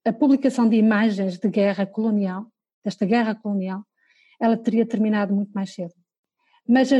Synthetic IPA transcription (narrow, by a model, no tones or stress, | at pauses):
ɐpuβlˠikɐsɐ̃w̃d̪imaʒẽj̃ʒðɨɣɛʁɐkulˠunialˠ | d̪̥ɛʃt̪ɐɣɛʁɐkulˠunialˠ | ɛlˠɐt̪ɨɾiɐt̪ɨɾminaðumũj̃t̪umajʃseðu | mɐzɐ